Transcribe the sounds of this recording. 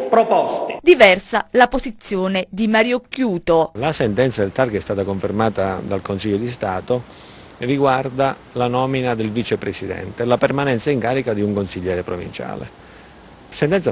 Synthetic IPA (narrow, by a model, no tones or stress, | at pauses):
pɾopɔst̪i̥d̪ivɛrsalapozit̪sːjoːned̪imaɾjokːjuːt̪olasent̪ɛnt̪sad̪elt̪arɡɛst̪aːt̪akoɱfermaːt̪ad̪alkonsiʎːod̪ist̪aːt̪o | riɡward̪a | lanɔːminad̪elvit͡ʃepɾesid̪ɛ̰nt̪elapermanɛnt̪saiŋkaːɾikad̪iuŋkonsiʎːɛːɾepɾovḭnt͡ʃa̰ːlḛ | sent̪ɛnt̪sa